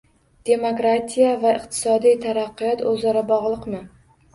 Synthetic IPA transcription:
d̪̥e̞mokɾat̪ʰijavaɪqt̪ʰɪ̥sɒd̪ijt̪ʰaɾaqːɨjɒt̪ʰɵzaɾabɒʁlˠɨqmɪ

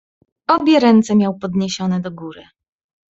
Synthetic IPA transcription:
ɔbʲjɛɾɛnt̪sɛmʲjawpɔd̪ɲeɕɔnɛd̪ɔɡuɾɘ

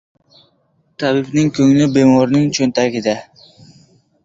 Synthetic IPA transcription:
t̪ʰabɪbnɪŋkʲʰɵŋlɪbe̞mɒɾnɪŋt͡ʃʰɵnt̪ʰaɡʲɪd̪a

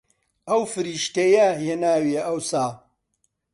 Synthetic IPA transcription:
ɐwfɨɾiːʃt̪ɐjɐhjenaːwieʔɐwsaː

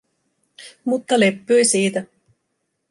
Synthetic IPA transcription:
mut̪ːɑle̞pːyjsiːt̪æ

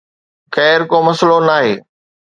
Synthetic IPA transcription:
xɛːɾkoːmɐslonaːɦeː

